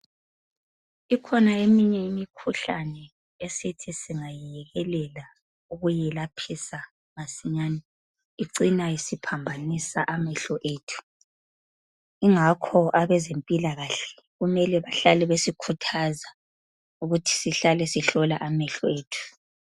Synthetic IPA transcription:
ikʰɔnaemiɲɛimikʰuɬa̰nɛ | esitʰisiŋajɛɣɛlɛla | uɣujɛlapʰisa | masiɲani | iǀinaisipʰambʱanisaʔamɛɬɔʔeːtʰu̥ | iŋakʰɔʔaβɛzempʼilaɣaɬɛ̥ | ɣumɛlɛβaɬalɛβesikʰutʰaza | uɣutʰi̥siɬalɛsiɬɔlaʔamɛɬɔeːtʰu̥

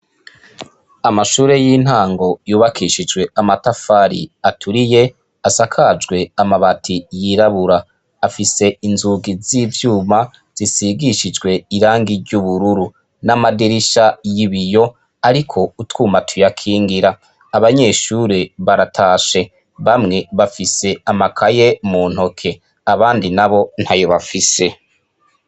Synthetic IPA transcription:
amaʃuːɾe̞jiːn̥haːŋɡo̞juːβakʰiʃid͡ʒɡwe̞amatafaɾḭatʰuɾije̞ | asakʰad͡ʒɡwe̞amaβatʰijiɾaβuɾaː | fise̞inzuɡiziːvjuːma | z̥isiɡiʃid͡ʒɡwe̞iɾaːŋɡiɾɟuβuɾuɾu | namadiɾiʃajiβijo̞ | aɾikʰo̞utwuːmatʰujakʰiːŋɡiɾa | aβaɲe̞ːʃuɾeβaɾatʰaːʃe̞ | βamŋe̞βafise̞amakʰaje̞muːn̥ho̞kʰe̞ | aβaːndinaβo̞n̥hajoβafise̞

